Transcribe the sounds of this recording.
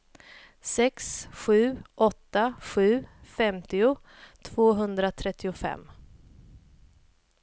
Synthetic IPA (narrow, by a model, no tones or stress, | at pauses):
sɛksɧʉ̟ːʔɔt̪ːaɧʉ̟ːfɛmt̪ɪʊ | t̪ʰv̥oːɦɵnd̪ɾat̪ʰɾɛt̪ːɪʊfɛ̰mː